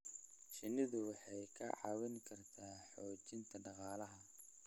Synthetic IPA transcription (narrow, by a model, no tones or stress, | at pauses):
ʃɪnɪðʊwɑħɑjkʰɐʕɑ̰wɪnkʰɐrt̪ʰaːħɔːt͡ʃɪnt̪ʰɐɖɑqɑːlɐɦɐ